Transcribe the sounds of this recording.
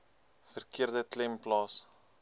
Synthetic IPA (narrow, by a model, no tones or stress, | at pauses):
fərkiərdətlɛmplɑːs